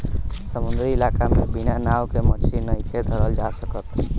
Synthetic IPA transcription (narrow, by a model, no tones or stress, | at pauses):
səmund̪ɾiilakamebinanawkemət͡ʃʰinːəjkʰed̪ʱəɾəld͡ʒasəkət̪